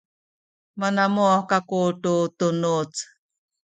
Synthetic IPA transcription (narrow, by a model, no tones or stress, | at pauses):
manamuakakuʈutunut͡s